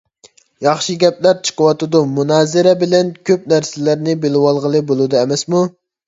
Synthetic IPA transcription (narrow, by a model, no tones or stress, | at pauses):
jɑχʃɨɡʲɛplæɾt͡ʃʰə̥qəwɑt̪ɨd̪umunɑːzɪɾɛbɪlɛnkʲʰøp̚næɾsɪlæɾnɪbelɪwɑlˠʁəlˠɨbolˠud̪ɨɛmɛsmu